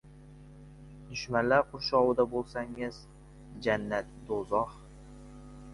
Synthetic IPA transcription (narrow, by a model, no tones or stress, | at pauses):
d̪̥ʊʃmanlaɾqʰʊɾʃɒwɨd̪abolˠsaŋɪz | d͡ʒanːat̪̚d̪ozɒh